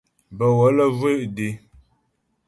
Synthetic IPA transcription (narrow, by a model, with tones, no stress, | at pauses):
bə˨wɔ˨˦lə˦ve˦˨ʔde˨